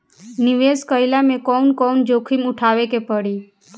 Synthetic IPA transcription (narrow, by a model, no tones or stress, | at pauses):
nɪʋeskəɪlamẽkɔnkɔnd͡ʒokʰimʊʈʰaʋekepəɽi